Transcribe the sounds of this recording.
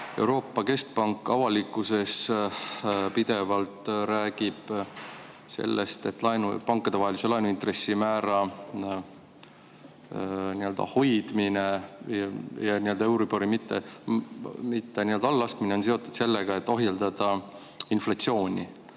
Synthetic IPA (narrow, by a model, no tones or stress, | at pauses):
e̞uwɾo̞ːpːˑɑke̞st̪̚pɑŋkːˑɑvɑlikːˑuse̞s | pid̪̥e̞vɑlt̪ɾæːɡ̥ib̥ | se̞̰lːʔest̪e̞t̪ːˑlɑjnupɑŋkːˑɑd̪̥e̞vɑɦeliselɑjnuint̪re̞sːimæːɾɑ | niø̞ld̪ɑ̰ho̞jd̪̥mine̞ | jɑniø̞ld̪ɑewɾipoɾimit̪ːe̞̰ | mit̪ːenield̪ɑɑlːɑst̪k̪mine̞onse̞ot̪ːˑud̪̥se̞lːeɡ̥ɑe̞t̪ːˑo̞ɦjeld̪ɑd̪̥ɑ | inflɑt̪sio̞ːnʲi